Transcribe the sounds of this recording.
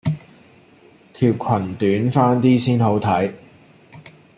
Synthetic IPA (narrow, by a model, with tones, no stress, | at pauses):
t̪ʰiː˧p̚kʰɐ˨˩nt̪yː˨˥nfaː˥nt̪iː˥siː˥nho˨˥wt̪ʰɐ˨˥j